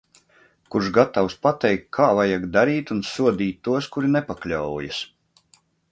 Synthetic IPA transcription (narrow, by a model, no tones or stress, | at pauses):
kuɾʒɡat̪awspat̪ɛjkkʰaːvajaɡd̪aɾiːt̪unsuɔd̪iːt̪ʲːuɔskuɾinɛpaklʲawjas